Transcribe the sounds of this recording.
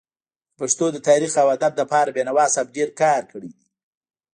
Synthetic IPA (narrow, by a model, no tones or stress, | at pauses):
paʂt̪od̪ət̪ɑɾixawad̪ab̚ləpɑɾabjenawɑsab̚ɖeɾkɑɾkəɽid̪i